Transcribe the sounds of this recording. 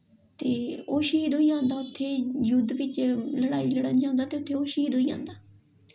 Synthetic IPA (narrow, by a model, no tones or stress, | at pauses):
t̪eːoːʃiːɾɦoːiːãːnd̪aːʊt̪ʰːeːd͡ʒʊd̪ʋɪt͡ʃləɽaːiːləɽənd͡ʒãːnd̪aːt̪eːʊt̪ʰːeːoːʃiːɾɦoːiːã̰ːnd̪aː